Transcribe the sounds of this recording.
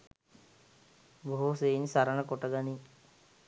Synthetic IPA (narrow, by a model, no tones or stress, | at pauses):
boɦuseːnsaɾəɳəkoʈəɡani